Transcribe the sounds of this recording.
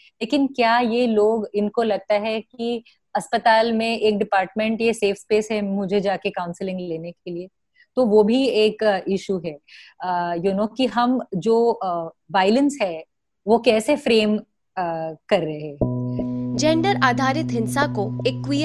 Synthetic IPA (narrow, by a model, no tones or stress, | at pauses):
leːkɪnkjaːjeloːɡɪnkolɐɡ̚t̪aɦɛki | ɐspət̪aːlmẽʔeːk̚ɖɪpaːɾʈmẽɳʈjeseːfspeːsɦɛmʊd͡ʒʱed͡ʒaːkekãʊ̃nsɪlɪ̃ŋɡleːnekelie | t̪oʋoːbʱieːkʔɪʃuɦɛ | junokiɦɐmd͡ʒoː | ʋaːɪlənsɦɛː | ʋokɛːsefɾeːm | kɐɾːɐɦe | d͡ʒɛ̃ːɳɖəɾaːd̪ʱaːɾɪt̪ɦɪ̃nsakoeːkːʋij